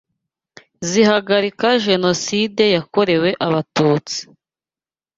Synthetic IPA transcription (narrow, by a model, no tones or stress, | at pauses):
zihaɡaɾikaʒe̞no̞side̞jako̞ɾe̞we̞ʔaβatuːt͡si̥